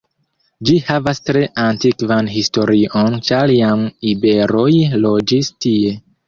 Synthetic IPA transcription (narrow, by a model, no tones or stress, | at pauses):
d͡ʒihavastɾe̞ʔantikvanɦisto̞ɾiʔont͡ʃaljamibe̞ɾo̞jlo̞d͡ʒistie̞